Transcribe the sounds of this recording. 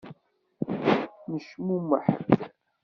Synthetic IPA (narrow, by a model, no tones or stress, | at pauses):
nəʃmuməħə̰d